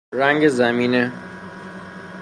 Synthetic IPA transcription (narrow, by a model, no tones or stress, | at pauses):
ɾæŋɡezæmiːne